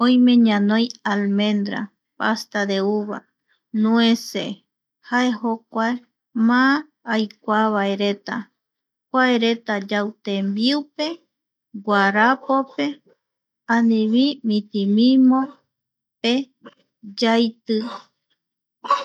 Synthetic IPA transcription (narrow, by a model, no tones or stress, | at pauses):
õj̃mẽ̞ɲãnõjalmẽ̞nd̪ɾa̰ | past̪ad̪euβa | nũẽse | hae̞hokʷae | mãː | jkʷaβaeɾe̞t̪a | kʷaeɾe̞t̪ad͡ʒawt̪embiupe̞ | ɡʷaɾapope̞ | ãnĩβimĩt̪imĩmõ | pe | d͡ʒajt̪ɨ